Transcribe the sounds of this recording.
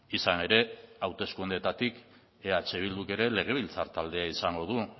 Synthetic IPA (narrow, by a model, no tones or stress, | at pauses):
isane̞ɾe̞awt̪e̞skund̪et̪at̪ik | eat͡ʃe̞β̞ild̪uke̞ɾe̞le̞ɣ̞e̞βilt͡saɾt̪ald̪e̞aisaŋɡo̞ð̞u